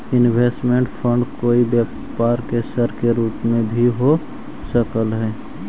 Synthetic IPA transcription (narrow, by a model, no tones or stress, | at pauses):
ɪnbʱeːsʈmẽɳʈpʰə̃ɳɖkoːibjaː | paːɾkesəɾkeɾuːpmẽbʱiɦo | səkəlɦɛː